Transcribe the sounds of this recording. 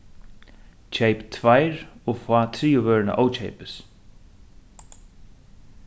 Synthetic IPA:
t͡ɕʰejpt̪ʰvajɾɔɣfaːt̪ʰɾiːʊvœːɹɪna̰ʔoːwt͡ɕʰḛjpɪs

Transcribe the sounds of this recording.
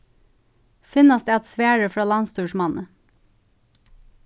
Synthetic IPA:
fɪnɑsd̪eːɑt̪sʋæːɹəfɹɑːlɑnst̪uːʃmɑnʔə

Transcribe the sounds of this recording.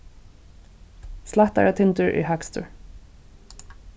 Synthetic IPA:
slaht̪a̰ɾat̪ʰɪnt̪ʏɹʔḭɦakst̪ʊ̰ɹ

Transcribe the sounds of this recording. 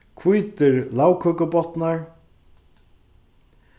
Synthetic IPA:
kʰvujt̪ɪɾlaːwkʰœkʊbɔt̪naɹ

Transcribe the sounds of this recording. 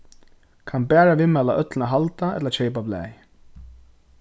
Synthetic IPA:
kʰanbæːɹaʋɪmɛlaʔœt̪lɪnaɦalt̪aɛ̰t̪lat͡ʃʰɛɪpablɛ̰ːj

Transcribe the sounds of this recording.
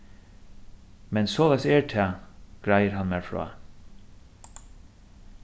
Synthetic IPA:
mɛnsoːlaɪsɛɹt̪ʰɛːɡ̥ɹajəɾɦanmɛɹfɹɑ̰ː

